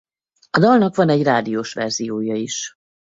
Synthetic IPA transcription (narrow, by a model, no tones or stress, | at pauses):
ɒd̪ɒlnɒkʋɒnɛɟraːd̪ijoːʃʋɛ̰rz̥ijoːjɒiʃ